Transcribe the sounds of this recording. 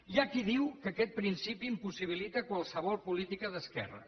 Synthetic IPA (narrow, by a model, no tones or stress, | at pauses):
jakiðiwkəkɛt̪̚pɾinsipiːmpusiβ̞ilit̪əkwalˠsəβɔlˠpulit̪ikəðəskɛ̰rə̰